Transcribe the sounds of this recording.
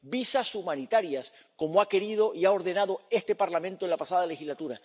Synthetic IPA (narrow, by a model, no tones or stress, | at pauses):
bisasumanit̪aɾjas | ko̞moake̞ɾið̞o̞ʔiao̞ɾðe̞naðo̞e̞st̪e̞paɾlamẽnt̪oenlapasaðalexizlat̪uɾa